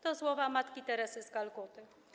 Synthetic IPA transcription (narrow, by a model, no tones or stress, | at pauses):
t̪ɔswɔvamat̪kʲit̪ɛɾɛsɘzɡalkɔt̪ɘ